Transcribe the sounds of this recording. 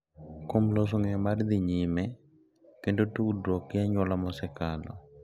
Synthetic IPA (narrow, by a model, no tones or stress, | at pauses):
komlos̬oŋɛmard̪iɲimɛ | kendotudɾɔkjaɲwɔlamɔsɛkalɔ̰